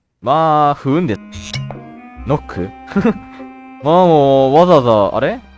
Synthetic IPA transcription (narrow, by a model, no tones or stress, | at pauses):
maːɸɯ̟ɯ̃nd̪e | nokʰːɯ | mamoːβazaazaa̰ɾe